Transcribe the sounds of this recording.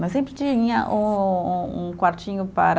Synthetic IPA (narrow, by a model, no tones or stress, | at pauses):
mɐsẽmpɾɪt͡ʃiiɲɐʔũ | ũkwaɾt͡ʃĩɲʊpaɾ